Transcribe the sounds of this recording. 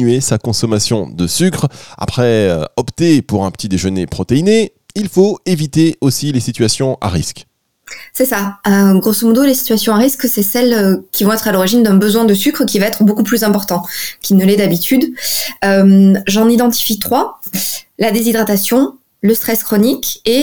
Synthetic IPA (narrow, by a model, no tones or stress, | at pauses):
ɥesakɔ̃sɔmasjɔ̰̃d̪əsykχa̰pχɛø̰ɔpt̪epuʁɛ̃pə̥t̪id̪eʒənepχɔt̪eine | ilfoevit̪eosilesit̪ɥasjɔ̃a̰ʁisk | sɛsaøɡʁosomɔd̪olesi̥t̪ɥasjɔ̃aʁisksɛsɛløkʲivɔ̃ɛt̪χalɔʁiʒind̪ɛ̃bəzwɛ̃d̪əsykχəkʲivaɛt̪χbokuplyzɛ̃pɔʁt̪ɑ̃kʲinəlɛd̪abit̪ʰyd̪ømʒɑ̃nid̪ɑ̃t̪i̥fit̪χwa | lad̪ezid̪ʁat̪asjɔ̃ | ləst̪χɛskχɔnike